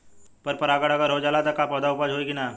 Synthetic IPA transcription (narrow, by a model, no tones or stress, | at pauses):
pɐɾpɐɾaːɡəɽɐɡəɾɦod͡ʒaːlat̪ɐkapɔːd̪aʊpaːd͡ʒʱɦoeɡina